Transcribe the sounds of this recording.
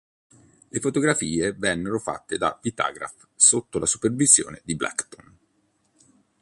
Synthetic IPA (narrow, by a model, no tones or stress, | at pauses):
lefot̪oɡɾafiːevɛnːeɾofa̰t̪ːed̪a̰vit̪a̰ːɡɾa̰f | sot̪ːolasupervizjo̰ːned̪iblɛ̰kt̪on